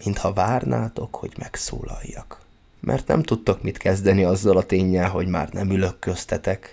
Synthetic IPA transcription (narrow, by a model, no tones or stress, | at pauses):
mint̪hɒvaːrna̰ːt̪o̞kho̞ɟmɛkso̰ːlɒjːɒk | mʔɛ̰rt̪nɛ̰mt̪ut̪ːokmit̪kɛzd̪ɛniɒzːɒlɒt̪eːɲːɛlɦo̞ɟma̰ːrnʔɛmylø̞kːøst̪ɛt̪ɛk